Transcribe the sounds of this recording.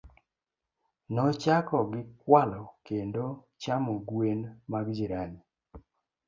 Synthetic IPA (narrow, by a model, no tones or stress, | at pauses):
nɔt͡ʃakɔɡɪkwalɔkendo | t͡ʃamoɡwenmaɡd͡ʒiɾaɲi